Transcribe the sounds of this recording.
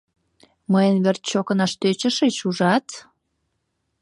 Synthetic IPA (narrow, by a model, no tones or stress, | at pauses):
məjənβert̪t͡ɕokənɑʃt̪øt͡ɕəʃet͡ɕuʒɑt̪